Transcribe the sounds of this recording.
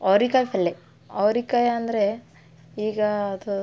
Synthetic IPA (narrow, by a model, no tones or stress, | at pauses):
ɐʋɾikaːjpɐlːe | ɐʋɾikaːjaɐnd̪ɐɾe | iːɡɐːd̪u